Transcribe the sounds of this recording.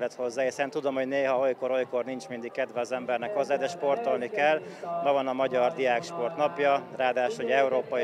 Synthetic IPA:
lɛt̪ho̞zːaːhisɛnt̪ud̪o̞mho̞ɟneːɦɒo̞jko̞ɾo̞jko̞rnint͡ʃmind̪ikkːɛd̪ʋɛɒzɛmbɛrnɛkho̞zːaːd̪ɛʃpo̞rt̪o̞lnikɛlː | mɒvɒnɒmɒɟɒrd̪ijaːkʃpo̞rt̪nɒpjɒraːd̪aːʃho̞ɟɛuɾoːpɒ

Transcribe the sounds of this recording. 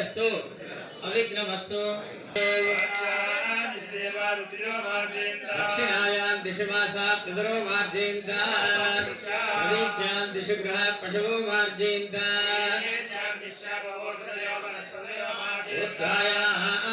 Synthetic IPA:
ɐst̪u | ɐʋiɡnɐʋɐst̪u | d̪ɐkʂinaːjaːnd̪ɪʃɐʋaːsaːpɾɐd̪ɐɾoːmaːɾd͡ʒieːnt̪a | ɐd̪iːdd͡ʒaːnd̪iʃuɡɾuɦɐpɾɐʃɐʋoːmaːɾd͡ʒeːnt̪ɐ | ɾaːjaːɦaːʔ

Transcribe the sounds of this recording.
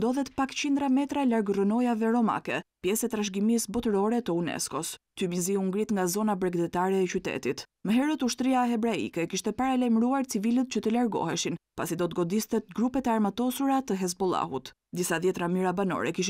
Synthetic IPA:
d̪ɔðɛt̪pakt͡ɕind̪ɾamɛt̪ɾalaɾɡrɔnɔjavɛɾɔma̰kɛpjɛsɛt̪ɾaʃɡimisbɔt̪əɾɔɾɛt̪əunɛ̰skɔst̪ymiziuŋɡɾit̪ŋɡazɔnabɾɛɡd̪ɛt̪aɾɛːt͡ɕyt̪ɛ̰t̪it̪məɦɛɾət̪uʃt̪ɾiaɦɛbɾaḭkɛkiʃt̪ɛpaɾalajməɾuaɾt͡sivilət̪̚t͡ɕət̪əlaɾɡɔ̰hɛʃinpasid̪ɔt̪ɡɔd̪ist̪ɛt̪̚ɡɾupɛt̪ɛaɾmat̪ɔsuɾat̪əɦɛz̬bɔlˠa̰ɦut̪ | d̪isaðjɛt̪ɾamiɾabanɔ̰ɾɛ̰kiʃ

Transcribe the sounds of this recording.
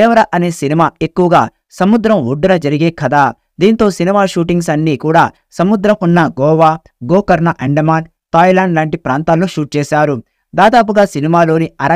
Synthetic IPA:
ɛːʋɐɾɐʔɐne̞ːsinimaːe̞kːuʋɐɡaː | sɐmud̪ɾɐmuɖːuɾɐd͡ʒɐɾiɡeːkɐd̪aː | d̪iːnt̪o̞ːsinimaːʃuːʈiŋɡs̬ɐnːiːkuːɽaː | sɐmud̪ɾɐmunːɐɡɔːʋaː | ɡoːkɐɾnɐʔɐɳɖɐmaːn | t̪aːjlaːɳɖlaːɳʈipɾaːnt̪aːnlːoʃuːʈ̚t͡ʃɛːʃaːɾu | d̪aːd̪aːp̬uɡaːsinimaːlo̞ːniɐɾɐ

